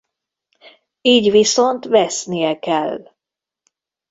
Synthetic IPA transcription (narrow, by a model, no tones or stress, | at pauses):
iːɟʋiso̞nt̪vɛsnijɛkɛlː